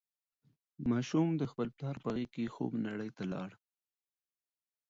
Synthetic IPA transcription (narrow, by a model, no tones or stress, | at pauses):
mɑʃumd̪əxpəlplɑɾpəaɣekexo̰bnaɽəjt̪alɑ̰ɽ